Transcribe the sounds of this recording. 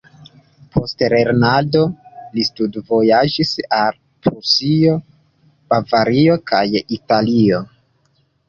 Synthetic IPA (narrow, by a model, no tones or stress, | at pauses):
pʰo̞stle̞ɾnado̞listudvo̞jad͡ʒisal | pɾusio̞ | b̥avaɾio̞kajitalio̞